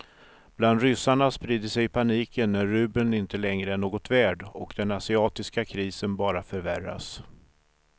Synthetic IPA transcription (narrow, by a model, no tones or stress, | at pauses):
b̥land̪ɾʏsːaɳaspɾiːd̪əsɛjpʰaniːkənːæɾːʉ̟ːbənɪnt̪əlɛŋɾəɛɳoːɡɔt̪væːɖɔkd̪̥ɛnasɪɑːt̪ɪskakʰɾiːsənbɑːɾafœɾvæɾa̰s